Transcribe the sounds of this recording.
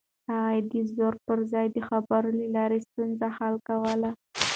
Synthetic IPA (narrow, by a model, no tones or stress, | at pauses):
haɣad̪əzoɾpəɾzɑjd̪əxabaɾəlelɑɾest̪unzahalkawəla